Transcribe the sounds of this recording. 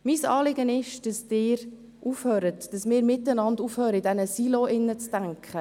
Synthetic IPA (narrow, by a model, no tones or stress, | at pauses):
miːsɑːlɪɡənɪʃd̥ɑsd̥ɪːɾ | ʔuːfhøːɾətd̥ɑsmɪːɾmɪtːənɑnduːfhøːɾəidɛnəsiloʔɪnːət͡stæŋkχə